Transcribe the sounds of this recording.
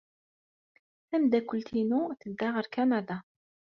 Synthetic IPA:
æmd̪ækːʊlt̪ʰinuθəd̪ːaʁəɾkænad̪a

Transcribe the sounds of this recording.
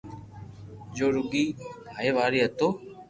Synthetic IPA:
d͡ʒoːɾʊɡiːbʱaːiːʋaːɾiːɦət̪oː

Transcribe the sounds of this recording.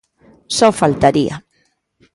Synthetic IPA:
sofalt̪aɾia̰

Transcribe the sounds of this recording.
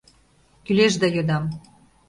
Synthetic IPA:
kyleʃd̪ɑjød̪ɑm

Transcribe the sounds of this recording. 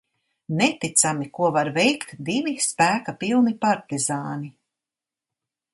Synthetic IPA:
nɛt̪it̪samikuɔvaɾvɛjkt̪d̪ivispæːkapilˠnipaɾt̪izaːni

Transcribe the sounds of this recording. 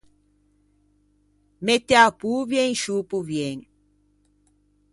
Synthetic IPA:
met̪eapuːvjeŋʃupuvjeŋ

